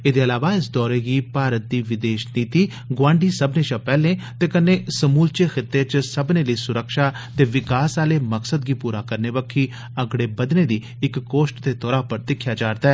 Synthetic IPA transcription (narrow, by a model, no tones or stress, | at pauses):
eːd̪eːəlaːʋaːɪsd̪ɔːɾeːɡiːpaːɾət̪̚d̪iːʋɪd̪eːʃniːt̪iː | ɡʋãːɳɖiːsəbneːt͡ʃapɛːlẽːt̪eːkəneːsəmuːlt͡ʃeːxɪt̪ːeːt͡ʃsəbneːləiːsʊɾəkʃaː | t̪eːʋɪkaːsaːleːməksəd̪ɡiːpuːɾaːkəɾneːʋəkʰːiː | əɡɽeːbəd̪neːd̪iː | ɪkːoːʃʈt̪eːt̪ɔːɾaːpəɾt̪ɪkʰːjaːd͡ʒaːɾd̪aɛː